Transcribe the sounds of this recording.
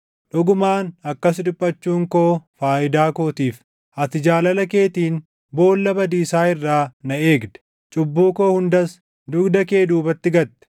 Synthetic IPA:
ᶑʊɡʊmaːnɐkːɐs̬ᶑʊpʼːɐt͡ʃːuːŋkoːfaːʔɪd̪aːkoːt̪iːf | ʔɐt̪ɪd͡ʒaːlɐlɐke̞ːt̪iːn | bo̞ːlːɐbɐd̪iːsaːɪrːaːnɐeːɡd̪ɛ̥ | t͡ʃʼʊbːuːkoːhʊnd̪ɐs | d̪ʊɡd̪ɐke̞ːd̪uːbɐt̪ːɪɡɐt̪ːɛ̥

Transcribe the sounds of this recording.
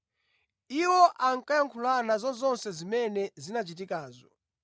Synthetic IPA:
iwɔʔaŋkajaŋkʰulanazɔnzɔnsɛzimɛnɛzinat͡ʃitikaːzɔ

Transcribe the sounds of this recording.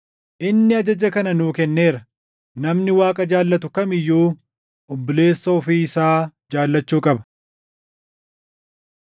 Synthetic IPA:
ʔɪnːɪɐd͡ʒɐd͡ʒɐkɐnɐnuːkɛnːe̞ːɾɐ | nɐmnɪwaːkʼɐd͡ʒaːlːɐt̪̬ʊkɐmɪjːuː | ʔɔbːʊle̞ːsːɐɔfiːɪsaːd͡ʒaːlːɐt͡ʃːuːkʼɐbɐ̥

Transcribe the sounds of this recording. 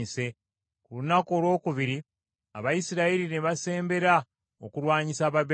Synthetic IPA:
ise̞ | kulunako̞ːlwo̞ːkuβiɾi | a̰βajisiɾaiɾine̞βase̞ːmbe̞ɾa | okuɾwaːɲisaːβaβ

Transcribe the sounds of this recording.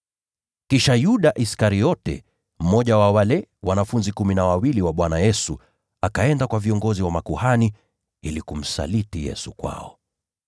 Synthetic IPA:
kiʃajuɗaʔiskaɾijɔtɛ̰ | m̩mɔʄawawalɛwanafunzikuminawawiliwaɓwanajɛsu | akaɛndakwaviɔŋɡɔziwamakuhani | ilikum̩sa̰litijɛ̰sukwa̰ɔ̰

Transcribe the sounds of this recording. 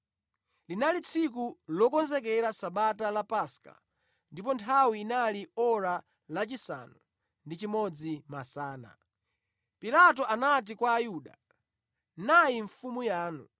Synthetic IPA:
linalit͡sʰik̬ulɔkɔnzɛkɛɾasaɓatalapaska̰ | ndipɔntʰawiːnaliɔɾa | lat͡ʃisa̰nu | ndit͡ʃimɔd͡zimasaːna̰ | pilat̬ɔʔanat̬ikwaːjuɗa̰ | najiɱfumujaːnu

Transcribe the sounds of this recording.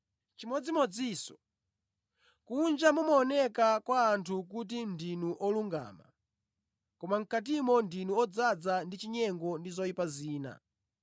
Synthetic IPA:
t͡ʃimɔd͡zimɔd͡ziːsɔ̥ | kund͡ʒamumaːnɛkakwaːntʰuk̬ut̬indinuʔɔluŋɡa̰ːma̰ | kɔmaŋ̩kat̬imɔndinuɔd͡zad͡zandit͡ʃiɲɛŋɡɔndizɔipaziːna̰

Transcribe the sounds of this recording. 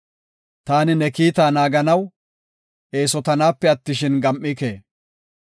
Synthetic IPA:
t̪aːnɪnɛkiːt̪aːnaːɡɐnɐw | ʔe̞ːsɔt̪ɐnaːpːɛɐt̪ːɪʃɪnɡɐmʔːɪkḛː

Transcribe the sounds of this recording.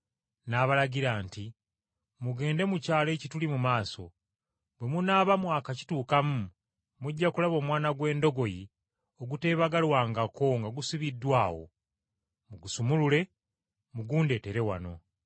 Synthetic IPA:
naβalaɟiɾaːnti | muɡe̞ːnde̞mucaːle̞ːcitulimumaːso̞̰ | bwe̞munaːβamwaːkaci̥tuːkamu | muɟːakulaβo̞ːmwaːnaɡwe̞ːndo̞ɡo̞ji | o̞ɡute̞ːβaɡalwaːŋɡakʰo̞ŋɡaɡusiβidːwaːwo̞̰ | muɡusumulule̞ | muɡuːnde̞te̞ɾe̞wa̰no̞̰

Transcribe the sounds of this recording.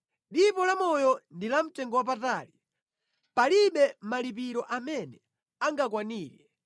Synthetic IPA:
ɗipɔlamɔjɔndilam̩tɛŋɡɔwap̬ataːli | paliɓɛmalip̬iɾɔʔamɛnɛ | aŋɡakwaniːlɛ

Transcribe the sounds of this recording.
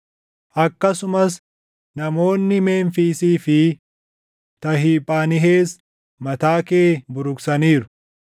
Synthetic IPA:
ʔɐkːɐsʊmɐs | nɐmo̞ːnːɪme̞ːɱfiːsiːfɪ | t̪ɐɦiːpʼaːnɪɦeːs | mɐt̪aːkeːbʊɾʊksɐniːɾʊ̥

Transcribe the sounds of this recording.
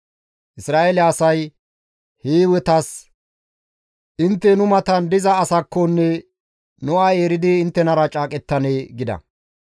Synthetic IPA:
ʔɪsɾaːʔeːlɛːsɐj | heːwɛt̪ɐs | ʔɪnt̪ːɛnʊmɐt̪ɐnd̪ɪzɐːsɐkːɔnːɛ | nʊaːeːɾɪd̪ɪːnt̪ːɛnɐɾɐt͡ʃʼaːkʼɛt̪ːɐneːɡɪd̪ɐ̰

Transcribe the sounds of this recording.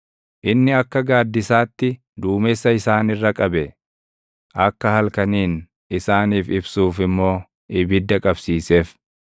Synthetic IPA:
ʔɪnːɪɐkːɐɡaːd̪ːɪsaːt̪ːɪ | d̪uːmɛsːɐɪsaːnɪrːɐkʼɐbɛ | ʔɐkːɐhɐlkɐniːn | ʔɪsaːniːfɪbsuːfɪmːo̞ː | ʔɪbɪd̪ːɐkʼɐbsiːseːf

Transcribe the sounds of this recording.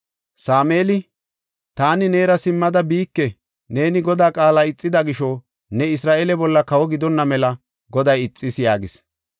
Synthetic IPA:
saːme̞ːlɪ | t̪aːnɪne̞ːɾɐsɪmːɐd̪ɐbiːkːɛ | ne̞ːnɪɡɔd̪aːkʼaːlaɪt͡sʼːɪd̪ɐɡɪʃɔ | nɛɪs̬ɾaːʔelɛbɔlːɐkɐwɔɡɪd̪ɔnːɐmɛlɐ | ɡɔd̪ɐjɪt͡sʼːɪsjaːɡɪs

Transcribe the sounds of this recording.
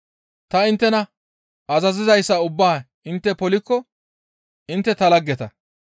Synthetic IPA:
t̪ɐɪnt̪ːɛnɐ | ɐzɐzɪzɐjsːɐʊbːaː | ɪnt̪ːɛpɔlɪkːɔ | ɪnt̪ːɛt̪ɐlɐɡːɛt̪ɐ

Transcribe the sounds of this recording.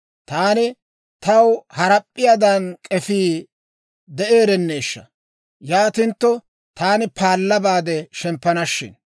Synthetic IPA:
t̪aːnɪ | t̪ɐwhɐɾɐpʼːɪjad̪ɐnkʼɛfiː | d̪ɛʔe̞ːɾɛnːe̞ːʃːɐ̰ | jaːt̪ɪnt̪ːɔ | t̪aːnɪpaːlːɐbaːd̪ɛʃɛmpːɐnɐʃːɪ̰n

